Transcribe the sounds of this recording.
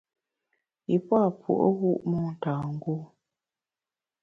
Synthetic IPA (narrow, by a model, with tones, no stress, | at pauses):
i˨pa˦˨pʰṵ˨ʔə̰˦ɣu˦˨ʔmɔ˦n̩˨taː˨ŋ̩˦ɡu˦˨